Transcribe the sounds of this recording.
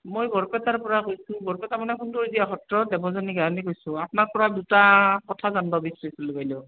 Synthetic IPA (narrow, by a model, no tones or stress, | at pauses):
mojbʱɔɹpɛtaɹpɔɹakojsʊ̃bʱɔɹpɛtamanɛkunduɹzijaɦɔtɹɔdɛbɔzaniɡaɹanikojsʊ̃apʊnak̚pɔɹadutakɔtʰazanbabisɹisiluɡajlɛ